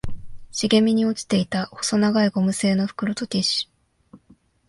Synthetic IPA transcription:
ɕiɡe̞mʲiɲ̟io̞t͡ɕi̥t̪e̞it̪aho̥so̞naɡaiɡo̞mɯ̟se̞ːno̞ɸɯ̟̥kɯ̟ɾot̪o̞t̪ʲeɕi̥

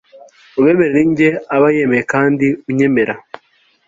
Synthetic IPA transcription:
uβeːme̞ɾeɾiːɲɟeaβajemejekaːndiuɲe̞me̞ɾa

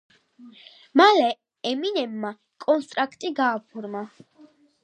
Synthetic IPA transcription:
malɛ | ɛminɛbma | kʼɔnst̪ʼɾakʰt̪ʼiɡaːpʰuɾma

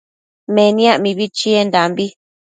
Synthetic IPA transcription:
mẽnĩãʔmĩβit͡ʃiend̪ambi

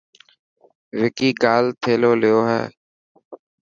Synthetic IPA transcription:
ʋɪkiːɡaːlt̪ʰeːloːlɪjoːɦɛ̰ː

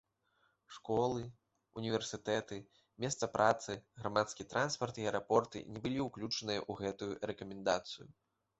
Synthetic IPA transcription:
ʂkɔlˠɨ | unʲivʲɛrsɨt̪ɛt̪ɨ | mʲɛst̪sɐpɾʔat̪sɨɣɾamat̪skʲit̪ɾʔanspɐrt̪iɐɛɾapɔrt̪ɨ̰nʲɛbɨlʲiuklʲut͡ʂɐnɨjɐ̰ʔuɣɛt̪ujuɾɛkɐmʲɛnd̪at̪sɨju

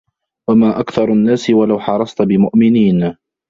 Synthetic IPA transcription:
wamaːʔakθɑɾˤanːaːsɪwalawħɑɾˤɑsˤt̪bɪmʊʔmɪniːn

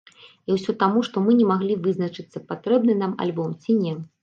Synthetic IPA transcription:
iwsʲɔt̪amuʂt̪ɔmɨnʲɛmaɣlʲivɨznɐt͡ʂɨt̪sːɐpat̪ɾɛb̚nɨnama̰lʲbɔmt͡sʲinʲɛ

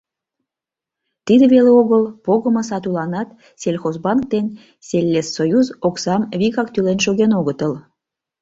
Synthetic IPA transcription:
t̪id̪ĕβeleoɣəlpoɣəməsɑt̪ulɑnɑt̪ | selʲxozbɑnk̚t̪en | selʲːesːojuzoksɑmβikɑk̚t̪ylenʃoɣenoɣət̪əl

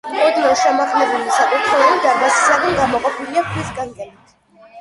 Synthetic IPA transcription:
ɔd̪ianʃɛmaχʰmɛbulisakʼut̪ʰɾɛɔbid̪aɾɡasi̥saʁɛnɡamɔqʼɔpʰiliakʰwisɡaŋɡʼɛnit̪ʰ

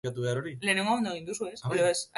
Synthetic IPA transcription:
at̪uβe̞aɾoɾile̞ːne̞ŋɡoamend̪oe̞ind̪usue̞seɾoesa

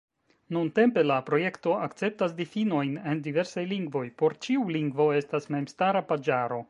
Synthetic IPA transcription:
nunte̞mpe̞lapɾo̞je̞kto̞akt͡se̞p̚tasdifino̞jne̞ndive̞ɾsajliŋɡvo̞jpo̞ɾt͡ʃiuliŋɡvo̞e̞stasme̞mstaɾapad͡ʒaɾo̞

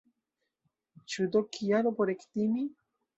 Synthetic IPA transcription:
t͡ʃud̪okʰijaɾopoɾekt̪imi

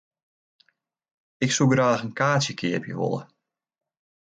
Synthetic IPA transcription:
ɪksuɡraːxənkaːsjəkʰɪəpjə̰ʋo̰lˠə̰

